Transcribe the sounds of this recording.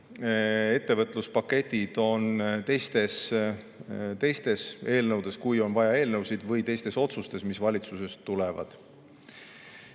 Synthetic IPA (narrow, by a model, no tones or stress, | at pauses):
e̞t̪ːe̞vɤt̪ˑluspɑkːˑe̞t̪ʲːid̪̥o̞nt̪e̞jst̪e̞s | t̪e̞jst̪e̞se̞ːlnɤwd̪̥e̞skujo̞nvɑjɑe̞ːlnɤwsid̪̥vɤjt̪e̞jst̪e̞so̞t̪sust̪e̞smisvɑlʲit̪suse̞st̪ːulevɑ̰d̪̥